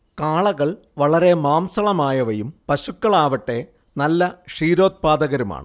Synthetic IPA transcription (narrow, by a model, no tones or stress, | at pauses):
kaːɭɐɣɐɭ | ʋɐɭɐɾe̞maːmsɐɭɐmaːjɐʋɐjumpɐɕukːɐɭaːʋɐʈːe̞ | nɐlːɐʂiːɾo̞ːt̪̚paːd̪ɐɣɐɾuma̰ːɳɨ